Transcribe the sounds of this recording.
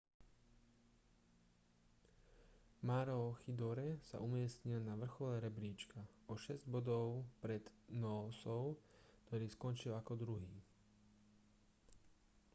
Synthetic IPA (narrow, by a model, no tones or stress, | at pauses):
maɾɔxid̪ɔɾɛsa̰ʔumɪɛsɲilnaʋr̩xɔlɛɾɛbɾiːt͡ʃka | ɔʃɛzɟbɔd̪ɔʊpɾɛd̪nɔːsɔʊkt̪ɔɾiːskɔnt͡ʃilakɔd̪ɾuɦiː